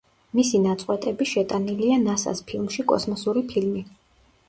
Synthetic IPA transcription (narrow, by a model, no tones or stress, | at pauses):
misinat̪sʼqʼwɛt̪ʼɛbiʃɛt̪ʼanilianasa̰spʰilˠmʃikʼɔ̰smɔsuɾipʰilmi